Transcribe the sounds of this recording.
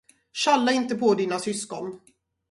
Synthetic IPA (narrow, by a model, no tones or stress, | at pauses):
ɕalːaɪnt̪əpʰɔd̪iːnasʏskɔn